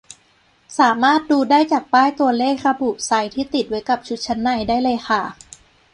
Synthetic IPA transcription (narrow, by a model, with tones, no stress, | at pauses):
saː˩˦maː˥˩t̪̚duː˧daː˥˩jt͡ɕaː˨˩k̚paː˥˩jt̪u˧ɐleː˥˩k̚ɾa˧buː˨˩p̚sa˧jt̪ʰiː˥˩t̪i˨˩t̪̚wa˦˥jka˨˩p̚t͡ɕʰu˦˥t̪̚t͡ɕʰa˦˥nːa˧˩jdaː˥˩jlɤː˧jxa˥˩